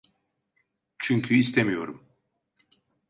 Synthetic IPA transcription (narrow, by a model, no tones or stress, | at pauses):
t͡ʃʰyɲcʲʰyist̪ʰemijoɾum